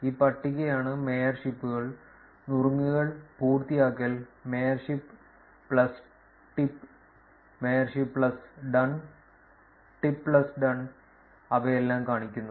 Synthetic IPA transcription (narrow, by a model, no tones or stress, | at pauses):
iːpɐʈːiɣɐjaːɳɨmejɐrʂipːuɣɐɭ | nuruŋːɨɣɐɭpuːrt̪ijaːkːɐlmejɐrʂipː | ɭɐs | ʈipː | mejɐrʂipːɭɐsɖɐn | ʈipːɭɐsɖɐn | ɐʋɐelːaːmkaːɳikʲːunːɐ